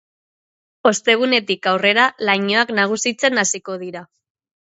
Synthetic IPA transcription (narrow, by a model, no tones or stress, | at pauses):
o̞st̪e̞ɣ̞une̞t̪ikawre̞ɾalajɲo̞aknaɣ̞usit͡se̞nasiko̞ð̞iɾa